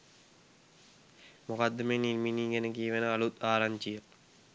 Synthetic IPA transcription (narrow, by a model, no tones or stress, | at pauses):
mokad̪ːəmeːnilminiːɡænəɡiːʋenəalut̪aːɾaɲt͡ʃijə